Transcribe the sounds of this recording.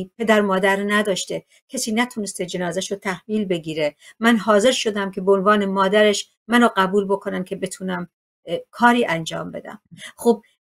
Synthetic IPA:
pʰe̞d̪æɾmɒːd̪æɾnæd̪ɒːʃt̪e | cʰesiːnæt̪ʰunest̪ed͡ʒe̞nɒːzæʃot̪ʰæhviːlbe̞ɡʲiːɾemænɦɒːze̞ɾʃod̪æmkʰʲe̞beonvɒːnemɒːd̪æɾeʃ | mænoɢæbuːlbo̞kʰonæmkʰe̞be̞t̪ʰuːnæm | kʰɒːɾiːʔænd͡ʒɒ̰ːmbe̞̰d̪æ̰mxob̚

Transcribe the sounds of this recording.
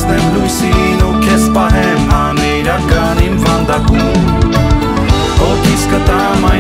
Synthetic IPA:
nɛmlujsinukʰɛspɑɦɛmɦɑmɛɾakɑnimvɑnd̪akum | ɔkʰiskət̪amɑ

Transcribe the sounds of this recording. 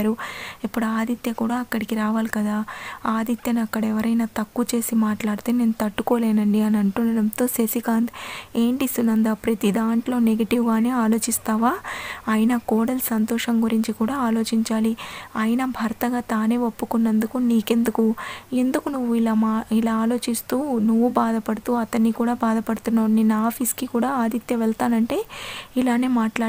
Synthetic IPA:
ɾuipːuɽuaːd̪ʱit̪jɐkuːɽaːɐkːɐɽikiɾaːʋaːlikɐd̪aːaːd̪it̪jɐniɐkːɐɽɐɛʋɐɾɐjnaːt̪ɐkːut͡ʃe̞ːsimaːʈlaːɽut̪eːne̞ːnut̪ɐʈːuko̞ːleːnɐɳɖiɐnɐɳʈunːɐɾɐmt̪o̞ːsesikaːnd̪e̞ːɳʈist̪unːɐnd̪aːpɾɐt̪id̪aːɳʈlo̞ːneɡɐʈiʋɡaːne̞ːaːlo̞ːt͡ʃist̪aːʋaːɐjinɐkoːɽɐlsɐnt̪ɔːʂɐmɡuɾiɲt͡ʃikuːɽaːaːlo̞ːt͡ʃiɲt͡ʃaːliɐːjɐnɐbʱɐɾɐt̪ɐɡaːt̪aːne̞ːo̞pːukunːɐnd̪ukuniːke̞nd̪ukue̞nd̪ukunuʋːuilaːmailaːaːlo̞ːt͡ʃist̪uːnuʋːubaːd̪ɐpɐɽut̪uːɐt̪ɐnːikuːɽaːbaːd̪ɐpɐɽut̪unːaːnenːaːpʰiskikuːɽaːaːd̪it̪jɐʋɛɭt̪aːnɐɳʈe̞ːilaːne̞ːmaːʈlaː

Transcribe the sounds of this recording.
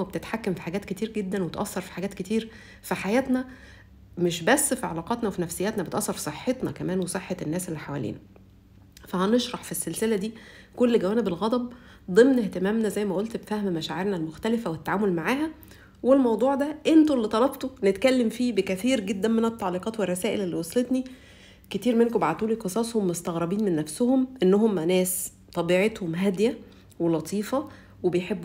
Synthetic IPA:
ebet̪et̪ħakːæmfi̥ħaɡæːt̪ket̪iːɾɡed̪ːænwet̪ʔɑsːɑɾˤfi̥ħaɡæːt̪ket̪iːɾ | fiħajæːt̪næ | meʃbæsːfiʕɑlɑːqɑt̪nɑwefinæfsejːæːt̪næbet̪ʔɑsˤːɑɾfi̥sˤeħːet̪nɑ̰kæmæːnwesˤeħːɑenːæːsʔelːiħawæ̰lḭːnæ | fæhæneʃɾˤɑħfisːelselæd̪iː | kolːɡæwæːnebelɣɑd̪ˤɑb̚ | d̪ˤemneht̪emæːmnæzæjːmæʔolt̪bfæhmmæʃæːʕeɾnælmoxt̪ælefæwet̪ːaʕaːmolmaʕaːhæ | welmɑwd̪ˤuːʕd̪æʔent̪olːit̪ˤɑlɑbt̪onet̪kælːemfiːbekæθiːɾɡed̪ːænmenet̪ːɑʕliːqɑːt̪werˤːɑsæːʔelelːiwɑsˤlet̪ni | ket̪iːɾmenkobaʕt̪uːliqesˤɑːsˤhomːost̪ɑɣɾˤɑbiːnmenːæfsohomʔenːoɦomːænæːs | t̪ˤɑbiːʕet̪homɦæd̪jæ | welɑt̪ʰˤiːfɑ | webejħebː

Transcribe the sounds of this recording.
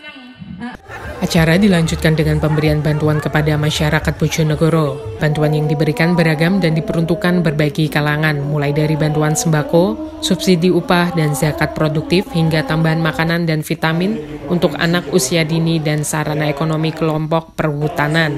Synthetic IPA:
ʔat͡ʃaɾadilaɲd͡ʒut̪̚kandəŋanpəmbəɾianbant̪uankəpadamaʃaɾakat̪̚b̥od͡ʒonəɡoɾobant̪uanjaŋdibəɾikanbəɾaɡamdandipəɾunt̪ukanbərbaɡikalaŋanmulajdaɾibant̪uansəmbako | subsidiupahdanzakat̪̚pɾoduk̚t̪ɪfhiŋɡat̪ambaɦanmakanandanfit̪amɪn | unt̪ʊka̰nakusiadinidansaɾanaekonomikəlɔmpɔk̚pərhut̪anan

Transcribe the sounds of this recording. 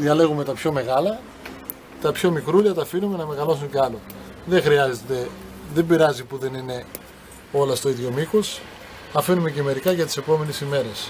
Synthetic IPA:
ðiɐle̞ɣume̞t̪ɐpço̞me̞ɣɐlɐ | t̪ɐpço̞mikɾuʎɐt̪ɐfinume̞nɐme̞ɣɐlo̞suɲceɐlo̞ | ðe̞xɾiɐze̞t̪e̞ðe̞mbiɾɐzipuðe̞nine̞ | o̞lɐst̪o̞iðʝo̞mixos | ɐfinume̞ce̞me̞ɾikɐʝɐt̪i̥se̞po̞me̞nesime̞ɾe̞s

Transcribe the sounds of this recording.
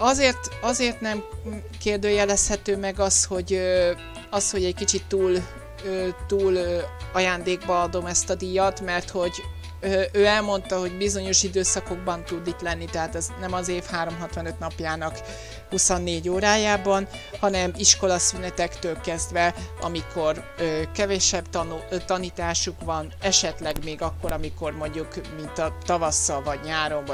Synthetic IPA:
ɒzeːrt̪ɒzeːrt̪nɛm | keːrd̪øːjɛlɛshɛt̪øːmɛɡɒsho̞ɟ | ɒsho̞ɟɛckit͡ʃit̪ːuːl | øːt̪uːløɒjaːnd̪eːɡbɒɒd̪o̞mɛst̪ɒd̪ijɒt̪mɛrt̪ho̞ɟ | øøːɛlmo̞nt̪ɒɦo̞ɟbizo̞ɲo̞ʃid̪øːsɒko̞ɡ̚bɒnt̪ud̪it̪lɛnːit̪ɛɦaːt̪ɛznɛmɒzeːfhaːɾo̞mɦɒt̪ʋɒnø̞t̪nɒpjaːnɒk | husonːeːɟoːɾaːjaːbɒn | hɒnɛmiʃko̞lɒsynɛt̪ɛkt̪øːlkɛzd̪vɛɒ̰mikʰo̞røːkɛvɛʃɛbt̪nut̪ɒniːt̪aːʃukʋɒnɛʃɛt̪lɛɡmeːɡɒkːo̞ɾɒmiko̞rmo̞ɲɟukmint̪ɒt̪ɒvɒsːɒvɒɟɲaːɾo̞ɱv

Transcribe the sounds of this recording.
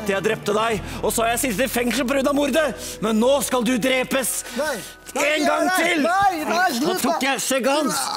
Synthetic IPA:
t̪ːəjæɪd̪ɾɛp̚t̪əd̪æɪɔsɔhɑɾjæɪsɪs̬t̪ɪfɛŋʂəl̩p̬ɔɾʉd̪ɑmʊɾd̪ə | mɛnːoːskɑld̪ʉd̪ɾeːpəs | eːnɡɑŋːt̪ʰɪl | oːt̪ʰukːjæɪʂɛɡɑns

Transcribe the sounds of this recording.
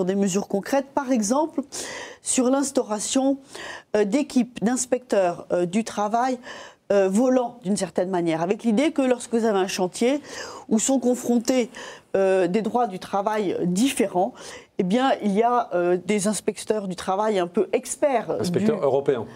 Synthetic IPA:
yʁd̪eməzyʁkɔ̃kχɛt̪̚paʁɛɡzɑ̃plsyʁlɛ̃st̪ɔʁasjɔ̃ | d̪ekʲipd̪ɛ̃spɛk̚t̪œʁød̪yt̪χavajøvɔlɑ̃d̪ynsɛʁt̪ɛnmanjɛʁavɛklid̪ekəlɔʁskəvuzaveɛ̃ʃɑ̃t̪jeusɔ̃kɔ̃fχɔ̃t̪eød̪ed̪ʁwad̪yt̪χavajd̪ifeʁɑ̃ | ebjɛ̃ilijaød̪ezɛ̃spɛkt̪œʁd̪yt̪χavajɛ̃pøʔɛkspɛʁ̃sdɛyt̪œʁøʁɔpeɛ̰̃

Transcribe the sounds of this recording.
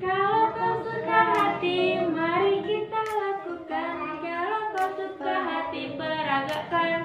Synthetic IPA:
kalakasukaɦat̪imaɾikit̪alakukankalakasukaɦat̪ipəɾaɡaʔkan

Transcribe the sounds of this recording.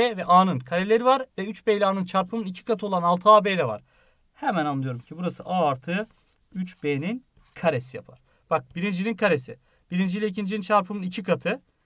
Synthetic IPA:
ɛvɛʔaːnɯnkʰaɾelʲeɾivaɾvɛyt͡ʃbejlʲaːnɯnt͡ʃʰaɾpʰɯmɯnicʰi̥kat̪ʰɯolˠanalˠt̪ʰɯaːbejd̪ɛva̰ɾ̥ | hɛmænanlˠɯjo̞ɾumcʰibuɾasɯʔaːaɾt̪ʰɯː | yt͡ʃb̥eːnin | kʰaɾe̞sija̰pʰa̰ɾ̥ | b̥ak̚b̥iɾind͡ʒininkʰaɾesḭ | b̥iɾind͡ʒilʲɛicʰind͡ʒinint͡ʃʰaɾpʰɯmɯnicʰikʰat̪ʰɯ

